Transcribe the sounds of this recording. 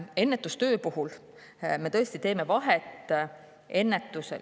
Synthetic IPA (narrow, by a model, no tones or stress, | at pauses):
e̞nːet̪ːˑust̪ø̞ːpuɦul | me̞t̪ɤ̞est̪it̪e̞ːme̞vɑɦet̪ˑ | e̞nːet̪ːˑusḛ